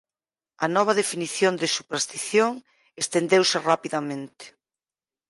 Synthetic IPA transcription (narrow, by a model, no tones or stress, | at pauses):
ɐnɔβ̞ɐðefiniθjond̪ɪsupeɾst̪iθjoŋ | est̪end̪ewsɪrapiðamẽnt̪ɪ̥